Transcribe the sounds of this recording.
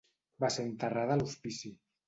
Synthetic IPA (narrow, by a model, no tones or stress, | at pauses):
basent̪araðaluspisi